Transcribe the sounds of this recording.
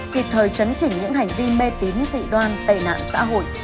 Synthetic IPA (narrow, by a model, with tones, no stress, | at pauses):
ki˨˩p̚t̪ʰəː˨˩jt͡ɕə˨˦nt͡ɕï˧˩ŋ̟ɲɨ̰˧˥ŋha˨˩jŋ̟vi˧me˧t̪i˨˦nsḭ˧˨ɗwaː˧nt̪ḛ˧˩na̰ː˧˨ŋsa̰ː˧˥ɦo̰˧˨jʔ